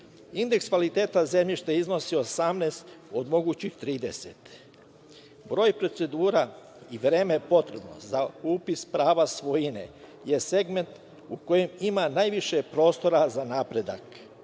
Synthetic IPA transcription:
ind̪ekskʋalit̪e̞ːt̪aze̞mʎiʃt̪eizno̞siosamnest̪od̪mo̞ɡuːt͡ɕixt̪ɾiːd̪e̞sḛt̪ | bɾo̞ːjpɾo̞t̪se̞d̪uːɾa | iʋɾe̞ːmepo̞t̪ɾebno̞̰zauːpispɾaːʋasʋo̞jinḛ | jese̞ɡme̞nt̪ | uko̞jemimanajʋiʃepɾo̞ːst̪o̞ɾazanaːpɾe̞d̪a̰k

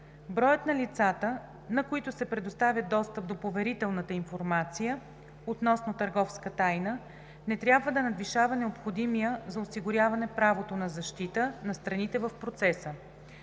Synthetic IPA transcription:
bɾɔjət̪nɐlit̪sat̪ə | nɐkoit̪ʊsɛpɾɛd̪ʊst̪avʲjəd̪d̪ɔst̪əp̚d̪opovɛɾit̪ɛlˠnət̪əinfoɾmat̪sijə | ot̪nɔsnot̪əɾɡɔfskət̪ajnə | nɛt̪ɾʲjabvəd̪ɐnɐd̪viʃavɐnɛopxod̪imijəzɐosiɡʊɾʲjavɐnɛpɾavot̪onɐzɐʃt̪it̪ənɐst̪ɾɐnit̪ɛvəfpɾot̪sɛsə

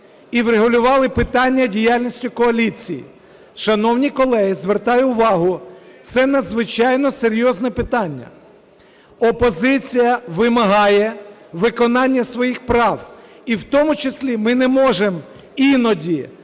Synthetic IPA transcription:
iwɾeɦʊlʲʊʋɑlˠɪpɪt̪ɑnʲːɐdʲijalʲnʲisʲtʲʊkɔɐlʲit͡sʲijḭ | ʃɐnɔwnʲikɔlˠɛɦizʋert̪ɑjʊʊʋɑɦʊt̪sɛnɐd̪zʋɪt͡ʃɑjnɔseɾʲjɔznɛpɪt̪ɑnʲːɐ̰ | ɔpɔzɪt͡sʲijɐʋɪmɐɦɑjɛʋɪkɔnɑnʲːɐsʋɔjixpɾɑw | iwt̪ɔmʊt͡ʃesʲlʲimɪnɛmɔʒem | inɔdʲi

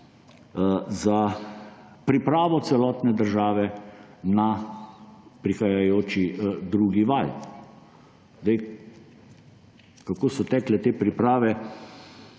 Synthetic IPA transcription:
za | pɾipɾaːʋɔt̪sɛlɔːt̪nɛd̪əɾʒaːʋɛna | pɾixajajoːt͡ʃid̪ɾuːɡiʋal | zd̪ɛj | kakoːsɔt̪ɛːklɛt̪eːpɾipɾaːʋɛ

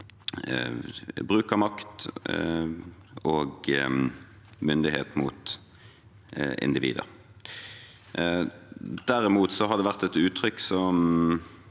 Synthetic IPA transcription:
bʁʉːkəmɑkt̪ | oːɡ | mʏnd̪ɪhḛːt̪muːt̪ | ɪ̰nd̪ɪʋḭːd̪ə̰ʁ | d̪̥æʁɪmuːt̪sɔɦɑd̪ɛʋæʁt̪ɛt̪ʉːt̪ʰʁʏkːsɔm

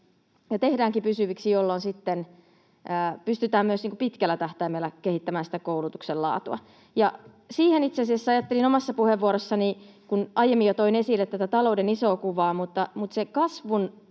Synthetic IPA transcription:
jɑt̪ehdæːŋkipysyʋiksijolːonsit̪ːen | əːpyst̪yt̪æːmmyøsniːŋkupit̪kælːæt̪æht̪æimelːækehit̪ːæmæːnsi̥t̪ækoulut̪uksellɑ̰ːt̪uɑ̰ | jɑ | siːhenit̪seɑsiæsːæɑjɑt̪ːelinomɑsːɑpuheʋːuoɾosːɑnikunɑjemːijot̪oinesilːet̪æt̪æt̪ɑloudeniso̞ːkuʋɑːmut̪ːɑmut̪sekɑsʋun

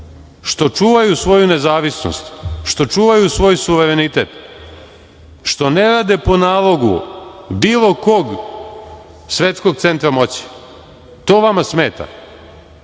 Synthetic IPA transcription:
ʃt̪o̞t͡ʃuːʋajusʋo̞june̞zaːʋisno̰st̪ʃt̪o̞t͡ʃuːʋajusʋo̞ːjsuʋeɾenit̪ḛt̪ | ʃt̪o̞ne̞ɾad̪epo̞naːlˠo̞ɡṵbiːlˠo̞ko̞ɡ | sʋe̞t̪sko̞ɡ̚t̪se̞nt̪ɾamo̞t͡ɕi̥ | t̪o̞ːʋamasme̞ːt̪a̰

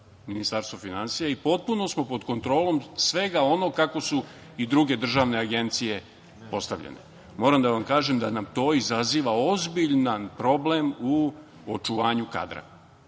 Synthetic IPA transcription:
minist̪aɾst̪ʋofinansijaipo̞t̪̚puno̞smo̞po̞d̪ko̞nt̪ɾo̞ːlˠo̞msʋe̞ɡao̞no̞kako̞su | id̪ɾuɡe̞d̪r̩ʒaːʋne̞aɡe̞nt̪sije̞ | po̞st̪aʋʎḛnḛ | mo̞ːɾamd̪aʋamkaːʒemd̪anamt̪o̞ːizaziːʋao̞zbiʎnanpɾo̞ble̞mu | ot͡ʃuʋaːɲuka̰d̪ɾa̰

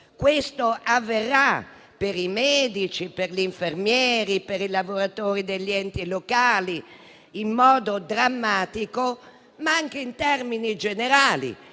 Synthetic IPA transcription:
kwest̪oʔavːerːa | peɾimɛːd̪it͡ʃiperliɱfermjɛːɾipeɾilavoɾat̪oːɾid̪eʎːiɛnt̪ilokaːli | imːɔːd̪od̪ɾamːaːt̪iko | maaŋkeint̪ɛrminid͡ʒeneɾaːlḭ

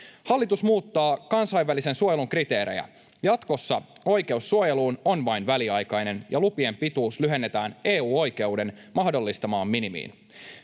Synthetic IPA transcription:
hɑlːit̪usmuːt̪ːɑːkɑnsɑjʋːælise̞nsuoje̞luŋkrit̪e̞ːɾḛjæ̰ | jɑt̪ko̞sːɑo̞jk̟e̞usːuoje̞luːno̞nʋɑjnʋæliɑjkɑjne̞njʔɑlupie̞mpit̪uːslyɦe̞nːe̞t̪æːne̞ːuːo̞jk̟e̞wde̞nmɑhdo̞lːist̪ɑmɑːmːinimḭːn

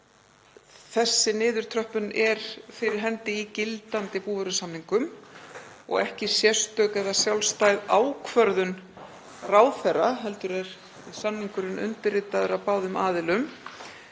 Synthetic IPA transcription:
θɛsːɪnɪːðʏɾ̥t̪ʰɾœhpʏnʔɛɾ̥fɪɾɪɾ̥ɦɛnt̪ɪicɪlt̪ant̪ɪpuːvœɾʏsanːiŋkʏm | ɔ̰ɣɛhcɪsjɛst̪œːkɛðasjawlst̪ajðaːwkʰvœɾðʏn | raːwθɛrːaɦɛl̪t̪ʏɾɛɾ̥ | sanːiŋkʏɾɪnʏ̰nt̪ɪrɪːt̪aðʏɾapaːwðʏmaːðɪlʏm

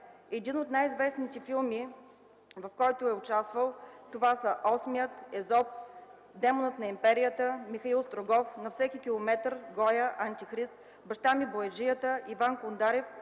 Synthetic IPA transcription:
ɛd̪inot̪najizvɛsnit̪ɛfilˠmi | vɐfkɔjt̪ʊɛʊt͡ʃast̪vəlˠt̪ovasəʔɔsmijət̪ɛzɔp̚ | d̪ɛmonət̪nɐimpɛɾijət̪əmixɐilˠst̪ɾoɡɔfnɐfsɛkikʲilˠomɛt̪ɾɡɔjəʔɐnt̪ixɾist̪̚ | bɐʃt̪amiboɛʒijət̪əivankond̪aɾɛf

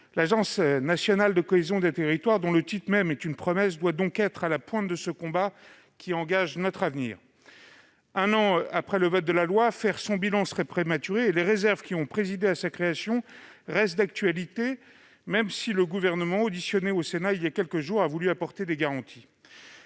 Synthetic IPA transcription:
laʒɑ̃snasjɔnald̪əkɔezjɔ̃d̪et̪eʁit̪waʁd̪ɔ̃lət̪it̪mɛmɛt̪ynpχɔmɛs̬d̪wad̪ɔ̃kɛt̪χalapwɛ̃t̪̚d̪əsəkɔ̃ba | kʲiɑ̃ɡaʒnɔt̪χavnḭːʁ | ɛ̃nɑ̃apχɛləvɔt̪̚d̪əlalwafɛʁsɔ̃bilɑ̃səʁɛpχemat̪yʁeːleʁezɛʁvkʲiɔ̃pχezid̪easakχeasjɔ̃ʁɛst̪̚d̪ak̚t̪ɥalit̪e | mɛmsiləɡuvɛʁnəmɑ̃od̪isjɔneosenailjakʲɛlkəʒuʁavulyapɔʁt̪ed̪eɡaʁɑ̃t̪ʰi

